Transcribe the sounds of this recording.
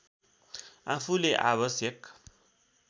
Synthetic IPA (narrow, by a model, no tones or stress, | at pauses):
apʰuleʔa̰βʌsjʌk